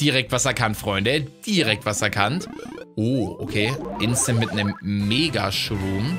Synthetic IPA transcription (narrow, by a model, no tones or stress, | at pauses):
d̥iʁɛk̚tv̥asɛɐkʰantfʁ̥ɔʏndəd̥iːʁɛk̚tv̥asɛɐkʰantʔoːʔokʰeːʔɪnstənmɪtnəmːeːɡaʃvuːm